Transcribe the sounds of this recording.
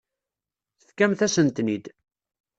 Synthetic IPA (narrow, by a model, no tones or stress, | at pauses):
θəθkæmθæsənt̪nid̪